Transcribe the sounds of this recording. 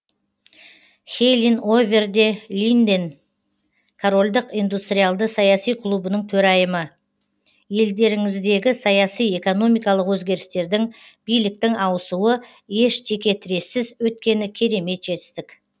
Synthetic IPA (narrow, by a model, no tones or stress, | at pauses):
χʲejlʲino̞vʲe̞rd̪e̞lʲijnd̪en | kʰoɾo̞lʲd̪əqijnd̪ust̪ɾʲijalˠd̪əsɑjɑsijqʰlˠubənəɴt̪ʰɵɾɑjəmə | je̞ld̪e̞ɾɪŋɪzd̪e̞ɡʲɪsɑjɑsije̞ko̞no̞mijkɑlˠəqwɵzɡʲe̞ɾɪst̪e̞ɾd̪ɪŋb̥ijlɪk̚t̪ɪŋɑwəsuə | je̞ʃt̪ʰe̞kʲe̞t̪ʰɪɾe̞sɪzwɵt̪̚kʲe̞nɪkʲʰe̞ɾe̞me̞t̪ʒ̥e̞t̪ɪ̥st̪ɪk